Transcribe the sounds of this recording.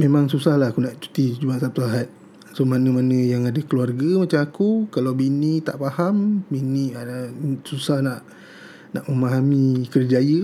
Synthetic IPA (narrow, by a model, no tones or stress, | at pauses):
memãŋsusahlaɦakunaʔt͡ʃu̥t̪id͡ʒumaʔsap̚t̪uaɦat̪̚ | somanəmanə̃jaŋadəkəluarɡəmat͡ʃamakukalawbinit̪aʔpahambiniasusahnaʔ | naʔməmaɦamikərd͡ʒajə